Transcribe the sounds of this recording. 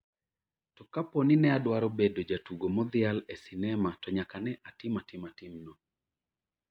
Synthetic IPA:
tɔkaponinɛadwaɾɔbedod͡ʒatuɡomɔd̪ɪalɛsɪnɛmatɔɲakanɛʔatɪmatɪmatɪmnɔ

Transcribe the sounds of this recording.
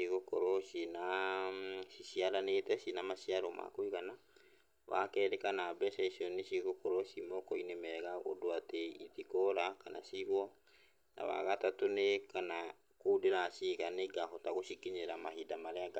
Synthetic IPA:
iɣokɔɾɔʃina | siʃiaɾanetɛsinamaʃiaɾɔmʔa̰koiɣana | wa̰kɛɾekanabɛʃɛʃiɔneʃiɣokɔɾɔʃimɔkɔinemɛɣao̰doateḭtikɔɾakana̰siɣwɔ | na̰wa̰ɣatatonekana | kodeɾasiɣaneɡaɦɔtaɣoʃikiɲeɾamaɦidamaɾeaɡa

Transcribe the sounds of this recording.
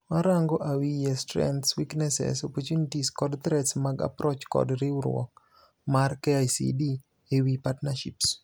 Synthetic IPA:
maɾaŋɡɔʔawijɛstɾɛ̰nt̪swiknɛsɛ̰sɔpɔt͡ʃunitiskɔdt̪ɾɛtsmaɡa̰pɾot͡ʃkɔ̰dɾɪuɾwɔ̰k | markeajsḭdi | ewipatnaʃḭps

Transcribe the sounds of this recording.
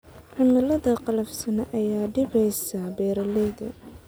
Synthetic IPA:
ʕʊnɐlɐðɐqɑlɐfsɐnɐʔɐjaːɖɪbɛjsɐbɛːɾɐlɛjd̪ɐ

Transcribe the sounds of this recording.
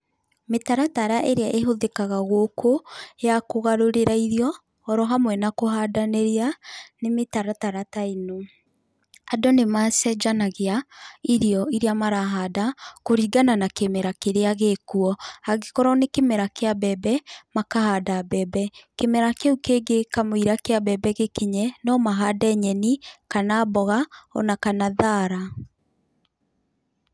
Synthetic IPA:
metaɾataɾaʔeɾeaʔeɦoðekaɣaɣokʰojakoɣaɾoɾeɾaiɾiɔː | ɾɔɦamwɛnakoɦadaneɾeanemetaɾataɾataino | adɔnemasɛd͡ʒanaɣeaiɾiɔiɾeamaɾaɦadakoɾiːɡananakemeɾakeɾeaɣekuɔaɣekɔɾɔnekemɛɾakeabɛbɛmakahadabɛbɛkemɛɾakeukeɡekamoiɾakeabɛbɛɣekeɲɛnɔmaɦadɛɲɛnikanaːbɔɣaɔ̰nakanaðaɾa

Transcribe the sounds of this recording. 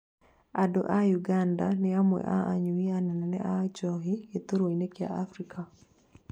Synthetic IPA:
ado̰ʔajuɡandaneamwɛ̰ʔa̰ʔaɲuianɛnɛnɛ̰ʔat͡ʃɔɦiet̪oɾwoinekja̰ʔafɾikʰa

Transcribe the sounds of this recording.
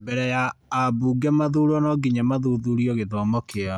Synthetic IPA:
bɛɾɛjaːbuːɡɛmaðuɾɔnɔɡiɲamaðuðuɾiɔɣeðɔːmɔkea

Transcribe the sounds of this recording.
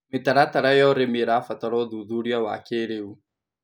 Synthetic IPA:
mit̪aɾat̪aɾajɔɾemiɾafat̪aɺɔd̪uðuɾjawa̰keɺeu

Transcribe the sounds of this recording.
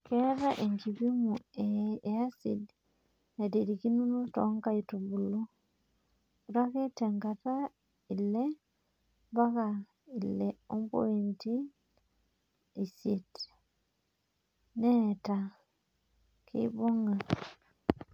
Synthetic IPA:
keɾaʔeŋɡiβimueasid | nedeɾikinunotoŋkaitoβulo | uɾaketeŋɡata | ile | baɣa | ileombo̰inti | isjet | neta | kʰḛβoŋɡa

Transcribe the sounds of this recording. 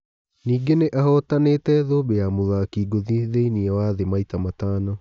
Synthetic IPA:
niːɡeneʔahɔtaneːtɛðoːbejamoðakiːɡoðiðeiniɛwaðemaitamataːnɔ

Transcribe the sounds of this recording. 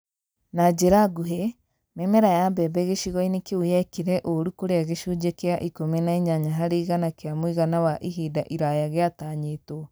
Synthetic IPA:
nad͡ʒeɾaɡuɦe | memɛɾajambɛbɛɣeʃiɣɔinekeujɛkiɾɛʔoɾukoɾeaɣeʃod͡ʒekeaʔikomenaiɲaɲaɦaɾeɣanakeamoiɣanawaʔiɦidaʔiɾajaɣeataɲeːto

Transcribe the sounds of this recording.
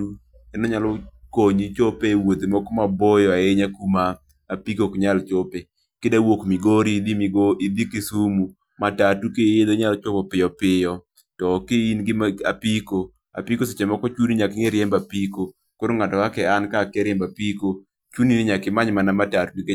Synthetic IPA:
u | ɛnɔɲalɔkoɲit͡ʃopewod̪emɔkɔmabɔjɔaeɲakumaː | pikokɲalt͡ʃope | kɪdawokmiɡoɾidimɡoid̪ikisumu | matatukejed̪oɲalt͡ʃopɔpɪjɔpɪjɔ | tɔkeinɡɪma̰piko | a̰pikoset͡ʃɛmɔkɔt͡ʃuniɲakɪŋeɾjɛmbapiko | koɾoŋatɔkakɛankakɛɾɛmbapiko | t͡ʃuninɪɲakɪmaɲmanamatatuik

